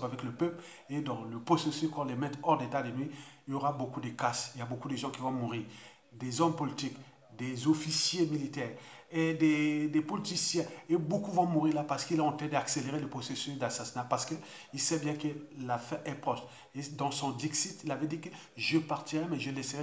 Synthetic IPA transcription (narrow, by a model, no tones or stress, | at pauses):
pavɛkləpœpl | ed̪ɑ̃ləpʁɔsesyskɔ̃lɛmɛ̃t̪ɔʁd̪et̪ad̪enɥiiljɔʁabokud̪əkasiljabokud̪əʒɑ̃kʲivɔ̃muʁiːʁ | d̪ezɔmpɔlit̪ik | d̪ezɔfisjemilit̪ɛːʁ | ed̪ed̪ɛpɔlit̪isjɛ̃ebokuvɔ̃muʁiʁlapaʁsə̥kilaɑ̃t̪ɛ̃d̪akseleʁeləpχɔsesysd̪asasinapaʁsə̥kə | ilsɛbjɛ̃kəlafɛ̃ʔɛpχɔʃ | ed̪ɑ̃sɔ̃d̪iksit̪ilavɛd̪ikə | ʒəpaʁt̪iʁɛmɛʒəlɛsəʁɛ